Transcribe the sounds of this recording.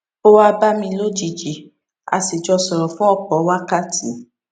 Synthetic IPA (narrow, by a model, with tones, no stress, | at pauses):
o˦wa˦˧ba˦mĩ˧lo˦d͡ʒi˨d͡ʒi˨ | a̰˧si˨d͡ʒɔ˧sɔ˨ɾɔ˨fũ˦ɔ˦˨k͡pɔ˨˦wa˦ka˦ti˨˦